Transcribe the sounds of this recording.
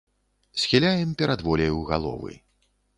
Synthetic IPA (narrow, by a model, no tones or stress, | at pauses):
sʲxʲilʲajɛmpʲɛɾʔad̪vɔlʲɛjuwɣalˠɔ̰vɨ̰